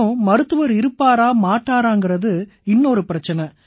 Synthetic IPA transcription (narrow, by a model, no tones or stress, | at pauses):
mɐɾɯt̪ːɯʋɐɾɪɾɯpːaːɾaːmaːʈːaːɾaːŋɡɪɾɐðɯ | ɪnːɔɾɯpɪɾɐt͡ʃːɐnɐ